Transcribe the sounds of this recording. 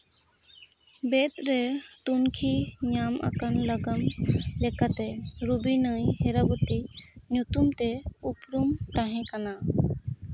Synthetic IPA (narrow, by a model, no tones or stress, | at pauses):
bet̪ɾet̪unkʰiɲama̰kənləɡəmlɛkat̪ɛɾubinəjheɾabut̪inut̪umt̪eupɾumt̪aɦɛ̃kana